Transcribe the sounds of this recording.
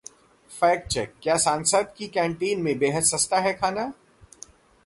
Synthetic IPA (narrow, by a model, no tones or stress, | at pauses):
fɛːk̚t͡ʃɛkːjaːsaːnsəd̪kikɛ̃ːɳʈiːnmẽbeːɦəd̪sɐst̪aɦɛkʰaːnaː